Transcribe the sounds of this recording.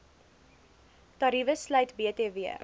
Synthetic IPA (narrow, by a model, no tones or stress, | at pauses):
tɐɾivəslœjtbiəteːviə̰